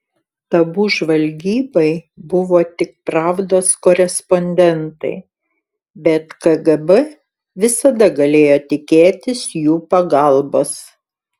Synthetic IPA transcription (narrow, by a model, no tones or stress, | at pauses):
t̪ɐbuːʒʋɐlʲɡʲiːbɐɪbʊʋoːt̪ʲɪk̚pɾɑːʋd̪oːskoːɾʲɛspɔnʲd̪ʲɛnt̪ɐ̰ɪ | bʲɛt̪kɐɡɐbɛ | ʋʲɪsɐd̪ɐɡɐlʲeːjoːt̪ʲɪkʲeːt̪ʲɪsjuːpɐɡɐˑlˠboːs